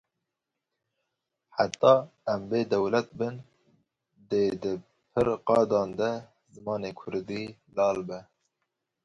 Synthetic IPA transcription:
ħat̪ːɑːɛmbeːd̪ɛwlɛt̪̚bɨn | d̪eːd̪ɨ | pʰɨɾqɑːd̪ɑːnd̪ɛ | zɨmɑːneːkʰʊɾd̪iːlɑːlbɛ

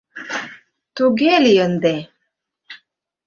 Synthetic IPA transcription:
t̪uɡelijənd̪e

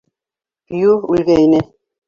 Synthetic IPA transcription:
juʉlɡæinɘ

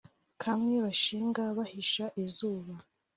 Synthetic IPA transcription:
kʰamŋe̞βaʃiːŋɡaβahiʃaʔizuːβa

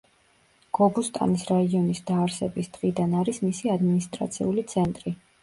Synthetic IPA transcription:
ɡ̥ɔbust̪ʼa̰nisɾaiɔnisd̪̥aːɾsɛbisd̪̥ʁid̪anaɾismisiad̪minist̪ʼɾa̰t̪sʰḭulit̪sʰɛnt̪ʼɾi

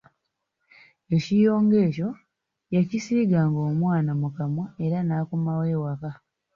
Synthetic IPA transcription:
e̞cijo̞ːŋɡe̞ːco̞ | jacisiːɡaːŋɡoːmwaːnamukamaeɾanaːkumawe̞ːwaka

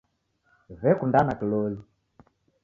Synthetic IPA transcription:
vɛkundanakilɔli

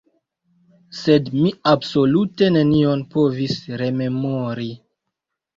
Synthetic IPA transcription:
se̞dmiabso̞lute̞ne̞nio̞npovisɾe̞me̞moɾi

